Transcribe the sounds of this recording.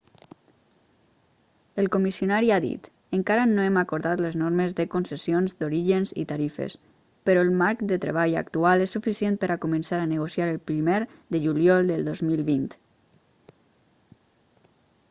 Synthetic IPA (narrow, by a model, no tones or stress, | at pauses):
əlˠkomisionaɾiaðḭt̪ | əŋkaɾanoemakoɾðat̪ləznoɾməzðəkonsəsijonzd̪oɾiʒənzḭt̪aɾifḛs | pəɾɔelˠmaɾkd̪ət̪ɾḛβ̞aʎa̰kt̪ualɛsːufisjent̪pəɾakumənsaɾanəɣ̞osjaɾəlˠpɾimeɾd̪əʒuljɔlˠd̪əlˠd̪ozmilˠβint̪